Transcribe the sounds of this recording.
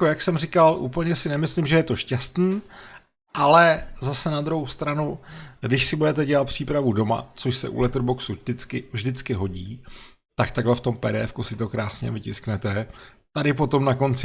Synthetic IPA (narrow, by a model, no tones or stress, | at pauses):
jkojaksɛmrɪkalʔṵːpl̩ɲɛsɪnɛmɪslɪmʒɛjɛt̪o̞ʃcɛst̪niː | ʔalɛzasɛnad̪ɾuɦowst̪ɾanuɡdɪʃsɪbudɛt̪ɛɟɛlat̪̚pr̝̥iːpɾavudo̞ma̰t͡so̞ʃsɛ̰ʔṵlɛt̪rbo̞ksudɪt͡skɪvʒdɪt͡skɪɦo̞ɟiː | t̪akt̪aɡlɛft̪o̞mpɛɾɛɛfkusɪt̪o̞kɾaːsɲɛ̰vɪcɪsknɛt̪ɛ | t̪adɪpo̞t̪o̞mnako̞nt͡sɪ